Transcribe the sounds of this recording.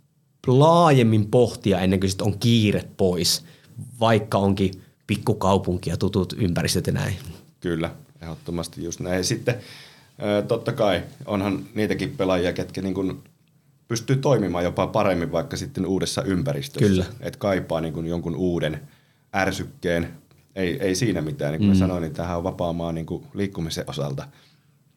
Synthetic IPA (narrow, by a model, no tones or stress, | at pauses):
lɑːjemːimpoht̪iɑenːeŋkøsit̪oŋkiːrep̪pois | ʋɑikːɑoŋki | pikːukɑupuŋkijɑt̪ut̪ut̪ympærist̪øt̪jɑnæ̰inkylːæehot̪ːomɑst̪ijjust̪næsit̪ːe | əːt̪ot̪ːɑkɑio̰nhɑnniːt̪ækippelɑjiɑket̪kæniːŋkun | pyst̪yːt̪oimimɑːjjopɑpɑremːiʋʋɑikːɑsit̪ːenuːdesːɑ̰ʔympærist̪øyslːææḛt̪kɑipˑɑːniːŋkunjoŋkunuːden | ærsykːeːn | eieisiːnæmit̪æːniŋkummæssɑnoinint̪æːhæoʋʋɑpɑːmˑɑːnniːŋkuliːkːumisḛʔʔosɑlt̪ɑ